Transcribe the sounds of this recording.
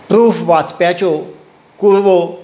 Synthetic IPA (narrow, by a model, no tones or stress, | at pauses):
pɾuːfʋat͡spat͡ʃo | kuɾʋo